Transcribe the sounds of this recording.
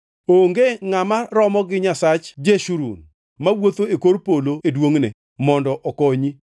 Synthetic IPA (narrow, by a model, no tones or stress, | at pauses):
oŋɡeŋamaɾɔmɔɡɪɲasat͡ʃd͡ʒeʃuɾṵn | mawot̪oekoɾpoloedwoŋne | mɔndɔʔɔkoɲi